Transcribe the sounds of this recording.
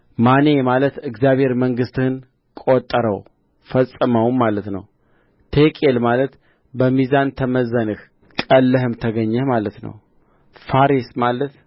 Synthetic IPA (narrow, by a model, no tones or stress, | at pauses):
manemalət̪ɨɡzjaβhe̞ɾməŋɡɨst̪ɨhɨn | kʼot̪ʼːəɾəw | fəsʼɨməwmalət̪nə̰w | t̪ʰekʼelmalət̪ | bəmizant̪ʰəməzːənɨh | kʼəlːəɦɨmt̪ʰəɡəɲːəmalət̪nə̰w | faɾismalət̪